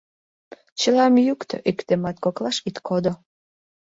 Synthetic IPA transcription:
t͡ɕəlɑmjukt̪ʰø̰ʔikt̪emɑt̪koklɑʃit̪kʰod̪o

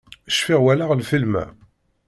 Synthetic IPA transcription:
əʃfiʁwælaʁlfilmæ̰

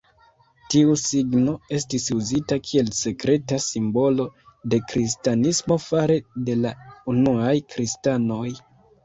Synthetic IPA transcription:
tiusiɡno̞e̞stisuzitakʰie̞lse̞kɾe̞tasimbo̞lo̞de̞kɾistanismo̞faɾe̞de̞launuajkɾistano̞j

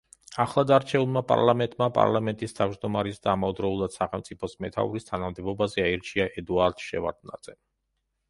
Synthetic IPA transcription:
aχlˠad̪aɾt͡ʃʰɛulˠmapʼa̰ɾlˠamɛnt̪ʼmapʼa̰ɾlˠamɛnt̪ʼist̪ʰavd͡ʒd̪ɔmaɾisd̪aːmaɔd̪ɾɔulˠad̪̥saχɛlˠmt̪sʼipʰɔsmɛt̪ʰa̰uɾist̪ʰanamd̪ɛbɔbazɛaiɾt͡ʃʰiaʔɛd̪uaɾd̪̥ʃɛ̰va̰ɾd̪na̰t̪sʼɛ

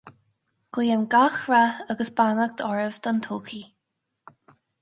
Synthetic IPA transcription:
ɡ̥wiːəmɡaxɹaaɡəsb̥anaɡ̚d̪ɔɹəvd̪ɔnt̪ʰoːkʰi

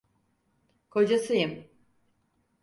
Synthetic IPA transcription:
kʰod͡ʒasɯjɯm

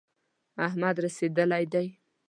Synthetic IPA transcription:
aɦmad̪ɾased̪əlajd̪aj

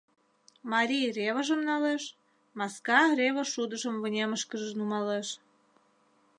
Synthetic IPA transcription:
mɑɾʲijrʲeβəʒə̆mnɑleʃ | mɑskɑrʲeβəʃud̪əʒəmvənʲeməʃkəʒənumɑleʃ

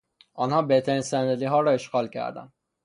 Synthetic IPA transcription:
ʔɒːnhɒːbeht̪ʰæɾinsænd̪eliɦɒːɾɒːeʃɡɒːlcʰæ̰ɾd̪æ̰n

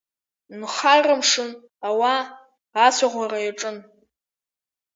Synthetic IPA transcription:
nχaramʂɨn | awaː | sʷaʁʷarajaʈ͡ʂʼɨn

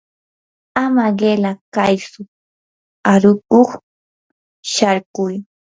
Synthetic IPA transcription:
amaɢelakajsʊ | aɾʊkoχ | ʃaɾkʊj

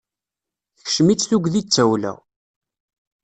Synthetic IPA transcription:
θçə̥ʃmit͡sːθuɡʷðit͡sːæwlæ̰

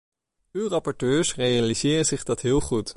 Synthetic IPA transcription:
ywrɑpɔɹtøːɹsrejalizɪːrəzɪχdɑtɦɪːlˠχut

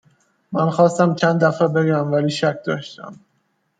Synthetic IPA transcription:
mænxɒːst̪æmt͡ʃʰænd̪æfæbeɡæmvæliːʃæk̚ʰd̪ɒ̰ːʃt̪æ̰m

